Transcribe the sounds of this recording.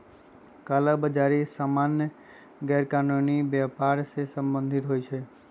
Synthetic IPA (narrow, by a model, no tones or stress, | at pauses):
kalabəd͡ʒaɾisamanjə | ɡɛɾkanonibɛpaɾsesəmbənd̪ʱit̪ɦojt͡ʃʰe